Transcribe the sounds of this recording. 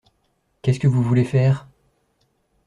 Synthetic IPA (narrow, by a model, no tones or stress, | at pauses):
kʲɛskəvuvulefɛːʁ